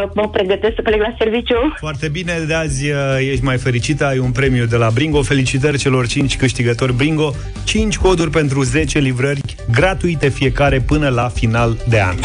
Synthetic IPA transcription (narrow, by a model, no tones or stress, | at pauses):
məpɾe̞ɡət̪eskspleɡlaservit͡ʃjufoart̪e̞bine̞d̪eazʲjeʃt̪ʲmajfe̞ɾit͡ʃit̪əajunpɾe̞mijud̪e̞labɾiŋɡo̞fe̞lit͡ʃit̪̬ərʲt͡ʃe̞lo̞rt͡ʃint͡ʃʲkɨʃt̪iɡət̪o̞rʲbɾiŋɡo̞ | t͡ʃint͡ʃʲko̞d̪urʲpe̞nt̪ɾuze̞t͡ʃe̞livɾərʲ | ɡɾat̪uit̪e̞fije̞kaɾe̞pɨnəlafinald̪e̞a̰n